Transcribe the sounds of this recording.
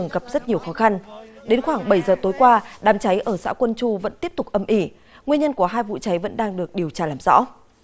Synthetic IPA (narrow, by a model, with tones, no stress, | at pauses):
ə˨˧˩ŋɣa˨˩p̚zə˦˥t̚ɲi˨˩əwxɔ˨˦xa˧nɗe˨˦nxwaː˧˩ŋɓə˧˩jzəː˨˩t̪o˨˦jkwaː˧ɗaː˨˦mt͡ɕa˨˦jʔəː˧˩sa̰ː˧˥kwə˧nt͡ɕu˧və̰˧˥nt̪i˦˥əp̚t̪ʊ˨˩k͡p̚ʔə˨˩mʔi˧˩ | ŋwi˧ənɲə˧nku˧˩əɦaː˧jvṵ˧˨t͡ɕa˨˦jvə̰˧˥nɗaː˧ŋɗɨ˨˩ək̚ɗi˨˩əwt͡ɕaː˧laː˨˩mzɔ̰˧˥